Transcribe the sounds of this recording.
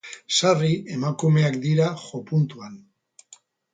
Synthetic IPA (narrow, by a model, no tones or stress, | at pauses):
sariemakume̞ak̚d̪iɾaxopunt̪uan